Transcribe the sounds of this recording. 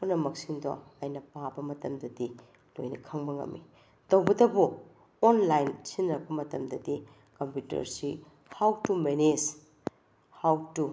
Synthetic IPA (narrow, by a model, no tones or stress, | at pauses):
punɐmɐk̚siŋdɔ̰ɐjnɐpabɐmɐtɐmdɐdi | lo̰jnɐkʰɐŋbɐŋɐ̰mːḭ | tɐwbɐdɐbu | onlajnsinɾɐk̚pɐmɐtɐmdɐdi | kɐmpjutɐ̰ɾsi | hawtumened͡ʒ | hawtu